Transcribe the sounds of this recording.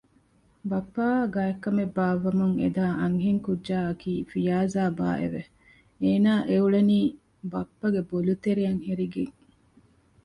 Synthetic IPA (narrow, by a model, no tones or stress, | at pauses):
bɐpːaːɡaekːɐmebːaːʋːɐmuŋḛd̪aːʔɐŋɦiŋkud͡ʒʒaːɐkiːfijaːzaːba̰ːʔḛʋe | eːnaːʔeuɭeniː | bɐpːɐɡebolut̪eɾiɐŋheɾiɡeŋ